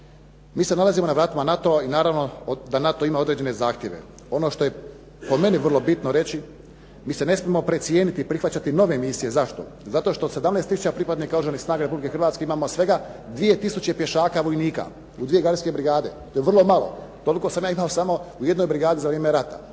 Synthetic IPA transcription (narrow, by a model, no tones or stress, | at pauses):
miːse̞nalazimonaʋɾaːt̪amanat̪oainaːɾaʋno̞d̪anat̪o̞imao̞d̪ɾed͡ʑe̞nezaːxt̪je̞ʋḛ | o̞no̞ʃt̪o̞je | po̞me̞niʋərlˠo̞bit̪noɾe̞t͡ɕi | miːsene̞smiemo̞pɾet̪sije̞ːnit̪iːpɾixʋat͡ɕat̪ino̞ʋe̞ːmisije̞zaʃt̪o̰zat̪o̞ʃt̪o̞ːd̪se̞d̪amnest̪ːisut͡ʃapɾipad̪niːkadɾʒenixsnaːɡaɾe̞publikexrɾʋaːt̪skeimaːmosʋe̞ɡad̪ʋije̞t̪isut͡ɕe̞pje̞ʃaːkaʋo̞jniːka̰ | ud̪ʋije̞ɡaɾske̞bɾiɡaːd̪e̞t̪ojeʋrlˠo̞malˠo̰t̪o̞liko̞samjaːimaosamo̞uje̞d̪no̞jbɾiɡaːd̪izaʋɾjeːmeɾat̪a̰